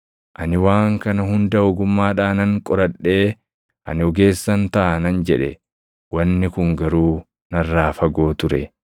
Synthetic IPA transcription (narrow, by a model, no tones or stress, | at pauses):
ʔɐnɪwaːŋkɐnɐhʊnd̪ɐɔɡʊmːaːᶑaːnɐŋkʼɔɾɐᶑːe̞ː | ʔɐ̰nɪɔɡe̞ːsːɐnt̪ɐʔɐnɐnd͡ʒɛᶑɛ | wɐnːɪkʊŋɡɐɾuː | nɐrːaːfɐɡo̞ːt̪ʊɾɛ